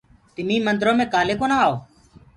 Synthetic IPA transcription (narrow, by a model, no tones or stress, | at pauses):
t̪ɪmĩːmənd̪ɾõːmẽːkaːleːkoːnaːaːoː